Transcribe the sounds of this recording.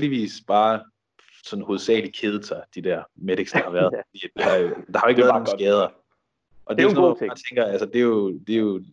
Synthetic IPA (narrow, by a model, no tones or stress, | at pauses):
eld̥iʋḭːsb̥ɑ̈ː | sɒ̽n̩ho̝ðˠsɛ̰ːlikʰe̝ð̞ˠəsʰɑ̈ɪd̥id̥æɐ̰meɾ̥eɡ̥sd̥ɑhɑ̈ʋæɐɐð̞ˠfɒd̥ḭ̥ːejod̥ɑhɑjoe̝ɡ̥æɐðnoŋ̩ɡ̥ɛːð̞ˠɐ | ʔɒ̽d̥e̝osnɔmːt͡sʰeŋɡ̥ɐælsəd̥e̝jod̥e̝o